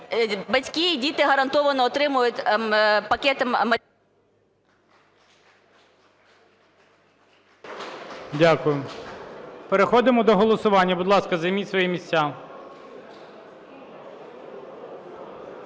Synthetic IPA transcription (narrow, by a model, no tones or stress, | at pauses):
bɐtʲkʲidʲit̪ɪɦɐɾɐnt̪ɔʋɐnɔːt̪ɾɪmʊjʊtʲpɐkʲɛt̪ɪmɐ | dʲakʊjʊ | peɾexɔd̪ɪmɔd̪ɔɦɔlˠɔsʊʋɑnʲːɐbʊd̪lˠɑskɐzɐjmisʋɔjimʲisʲt͡sʲːa